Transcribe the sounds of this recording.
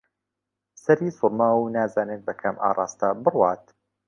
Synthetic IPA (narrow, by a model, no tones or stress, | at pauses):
sɐɾiːsʊɾmɐwnaːzaːnet̪̚bɐkʰɐmʔa̰ːrˤɑːst̪abɨrwaːt̪